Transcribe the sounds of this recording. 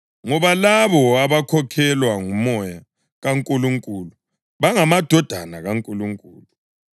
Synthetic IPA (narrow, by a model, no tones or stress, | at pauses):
ŋɔβalaβɔaβakʰɔkʰɛlwaŋumɔja | ɣaŋkʼuluŋkʼulu | βaŋamad̥ʱɔd̥ʱa̰naɣaŋkʼuluŋkʼṵːlu